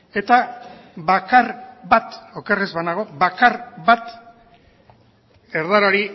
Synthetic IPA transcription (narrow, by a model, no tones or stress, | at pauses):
e̞t̪aβakarβat̪o̞kerezβanaɣ̞o̞βakaɾβat̪ | eɾðaɾaɾi